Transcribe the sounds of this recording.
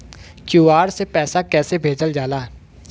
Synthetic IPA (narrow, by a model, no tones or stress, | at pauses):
kjuːaːɾsepɛːsakɛːsebʱeːd͡ʒəld͡ʒaːlaː